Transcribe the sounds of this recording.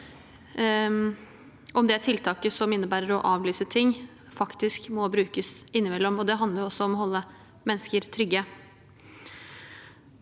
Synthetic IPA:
ʔɔmd̪ɛæʈʰɪlt̪ʰɑːkəsɔmɪnːəbæːɾəɾɔʔɑːʋlyːsət̪ʰɪŋː | fɑkt̪ɪskmɔbɾʉːkəsɪnːɪmɛlːɔmɔd̪ɛɦɑnd̪əɾjʊɔsːɔɔmɔɦɔlːə | mɛnːəskəɾt̪ʰɾʏɡə

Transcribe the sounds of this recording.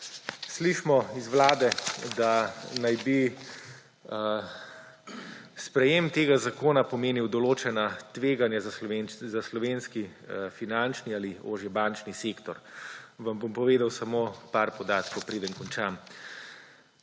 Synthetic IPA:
sliʃmɔizʋlaːd̪ɛd̪anajbi | spɾɛjemt̪eːɡazakoːnapɔmeːniwd̪ɔloːt͡ʃɛnat̪ʋeːɡanjazaslɔʋenzaslɔʋenskifinant͡ʃniaːlio̰ːʒjɛbant͡ʃniseːkt̪ɔɾʋambompɔʋeːd̪awsamopaɾpɔd̪aːt̪kɔwpɾeːd̪ənkɔnt͡ʃam

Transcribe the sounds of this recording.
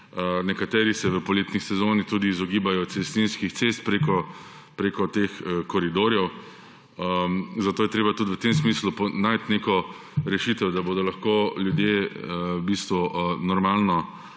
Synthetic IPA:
nɛkat̪ɛːɾisɛʋəpɔleːt̪nisɛzoːnit̪uːd̪iːzɔɡiːbajɔt̪sɛst̪inskixt̪sest̪̚pɾekɔ | pɾekɔt̪exkɔɾid̪oːɾjɛw | əzat̪oːjɛt̪ɾeːbat̪ud̪ʋwət̪emsmiːslupɔnajt̪nekɔ | ɾɛʃiːt̪ɛwd̪aboːd̪ɔlaxkoljud̪jeəbist̪ʋunɔɾmaːlnɔ

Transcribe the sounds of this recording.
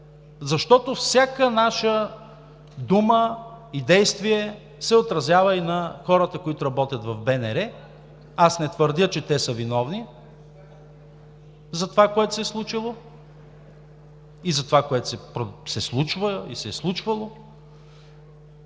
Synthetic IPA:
zɐʃt̪ɔt̪ofsʲjakənaʃə | d̪uməid̪ɛjst̪viɛ | sɛot̪ɾɐzjavəinɐxɔɾət̪əkoit̪ʊɾɐbɔt̪ʲjɐt̪vɐvbɛnɛɾɛ | asnɛt̪vəɾd̪ʲət͡ʃɛt̪ɛsəvinɔvni | zɐt̪ovakoɛt̪o̥sɛslˠut͡ʃilˠo | izɐt̪ovakoɛt̪o̥sɛpɾosɛslˠut͡ʃvəḭsɛslˠut͡ʃvɐlˠo

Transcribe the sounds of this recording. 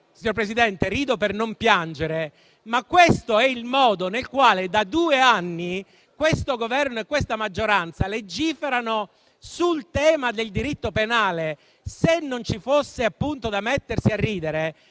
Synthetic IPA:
siɲoɾpɾesid̪ɛnt̪eɾiːd̪opernompjand͡ʒeɾe | makːwest̪oɛilmɔːd̪onelkwaːled̪ad̪uːeanːi | kwest̪oɡovɛrnoekːwest̪amad͡ʒːoɾant̪saled͡ʒːiːfeɾano | sult̪ɛːmad̪eld̪iɾit̪ːopenaːle | senːont͡ʃifosːeapːunt̪od̪amet̪ːersiarːiːd̪eɾe

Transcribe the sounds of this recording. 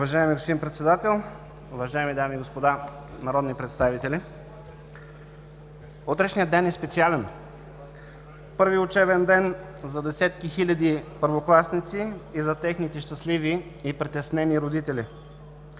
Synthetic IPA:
ʊvɐʒaɛmiɡospod̪inpɾɛt̪sɛd̪at̪ɛlˠ | ʊvɐʒajɛmid̪amiːɡospod̪a | nɐɾɔd̪nipɾɛt̪st̪avit̪ɛlʲi | ut̪ɾɛʃnijəd̪ɛnɛspɛt̪sialɛn | pɤɾviʊt͡ʃɛbɛnd̪ɛn | zɐd̪ɛsɛt̪kixilʲɐd̪ipəɾvoklˠasnit̪siːzɐt̪ɛxnit̪ɛʃt̪ɐslivi | ipɾit̪ɛsnɛniɾod̪it̪ɛlʲi

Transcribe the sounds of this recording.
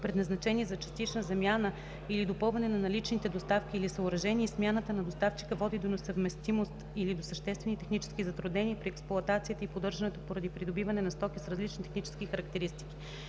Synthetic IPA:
pɾɛd̪nɐznɐt͡ʃɛnizɐt͡ʃɐ̥st̪it͡ʃnəzɐmʲjanə | ilid̪opɤlˠvɐnɛnɐnɐlit͡ʃnit̪ɛd̪ost̪afkʲiːlisəʊɾɐʒɛniɛːsmʲjanət̪ənɐd̪ost̪aft͡ʃi̥kəvɔd̪id̪onosəvmɛst̪imost̪ilid̪osəʃt̪ɛst̪vɛnit̪ɛxnit͡ʃɛ̥skʲizɐt̪ɾud̪nɛniəpɾiɛksplˠʊɐt̪at̪sijət̪əipod̪ɤɾʒɐnɛt̪opoɾɐd̪ipɾid̪obivɐnɛnɐst̪ɔkʲisɾɐzlit͡ʃnit̪ɛxnit͡ʃɛ̥skʲixəɾɐk̚t̪ɛɾist̪i̥kʲi

